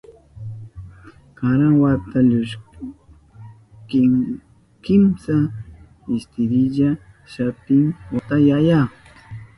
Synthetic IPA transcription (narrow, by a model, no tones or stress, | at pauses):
kaɾaŋwat̪aʎʊʃ | kɪŋ | kɪmsa | ɪst̪ɪɾɪʎa | ʃapɪŋwat̪ajaja